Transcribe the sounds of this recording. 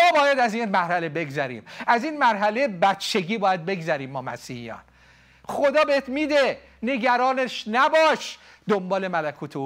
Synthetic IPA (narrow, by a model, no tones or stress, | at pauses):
ɒːbɒːjæd̪æziːnmæɾhæle̞be̞ɡzæɾḭːmæziːnmæɾɦælebæt̪t͡ʃʰːe̞ɡiːbɒːjæd̪̚be̞ɡzæɾiːmːɒːmæ̰siːhijɒ̰ːn | χo̞d̪ɒːbeet̪ʰmiːd̪e̞ | ne̞ɡæɾɒːneʃnæbɒːʃ | d̪ombɒːle̞mælækʰuːt̪ʰeo